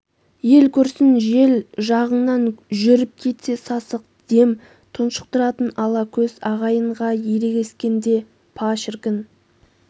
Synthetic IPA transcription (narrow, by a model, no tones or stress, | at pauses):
je̞lkʲʰɵɾsɪnʒe̞lʒɑʁəɴnɑnʒʏɾɪp̚kʲʰe̞t̪se̞sɑsəq̚ | d̪̥e̞m | t̪ʰʊnʃə̥q̚t̪əɾɑt̪ənɑlˠɑkʲʰɵz̥ɑʁɑjəɴʁɑjeɾe̞ɡʲe̞skʲe̞nd̪e̞ | pʰɑʃɪɾkʲɪn